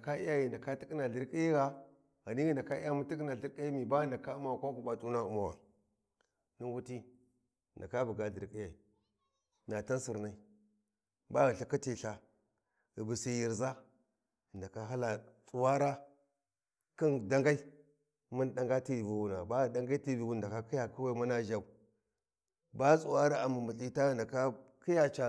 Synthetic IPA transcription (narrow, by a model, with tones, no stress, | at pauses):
na˨ka˦i˦ja˦ji˨nda˨ka˦ti˦ki˦na˨ɮi˨ɾki˦ji˦ɣa˦ | ɣa˨ni˦ɣi˨nda˨ka˦i˦ja˦mu˦ti˦k̬na˨ɬi˨ɾkʼi˦i˦mi˨ba˦ɣi˦nda˨ka˦u˦ma˦wa˨kʷa˦ku˨ba˨tʼu˦na˦u˦ma˨wa̰˨ | ni˦wu˦ti˦˨ | nda˨ka˦bu˨ɡa˦ɮi˨ɾki˦ja˨i˨ | na˨ta˦nsi˨ɾna˨i˦ | ba˦ɣi˨ɬa˨ka˦ti˨ɬa˨ | ɣi˨bu˨si˦˨ji˨ɾza˦˨ | nda˨ka˦ɦa˦la˨t͡sʼu˨wa˦ɾa˦ | ki˦nda˦ŋɡa˦i˦ | mu˦n˦da˦ŋɡa˦ti˦˨vi˨wu˨na˨ba˦ɣda˦ŋɡa˦i˦ti˦˨vi˨wu˦˨da˨ka˦ki˦ja˨ku˦wa˦mu˦na˦ʒa˦˨u˨˦ | ba˦t͡sʼu˨wa˦ɾa˦a˨mu˨mu˨i˦ta˦ɣnda˨ka˦ki˦ja˦t͡ʃa˨